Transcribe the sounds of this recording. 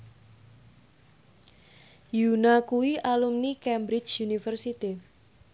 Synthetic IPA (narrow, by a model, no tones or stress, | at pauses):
junakuwiʔalumnikɛmbɾɪt͡ʃjunifərsit̪i